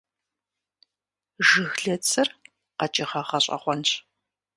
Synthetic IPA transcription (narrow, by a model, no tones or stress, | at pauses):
ʒɨxɮɐt͡sʰɨr | qɐt͡ʃʼɪχɐχɐɕʼɐ̰χʷɔnɕ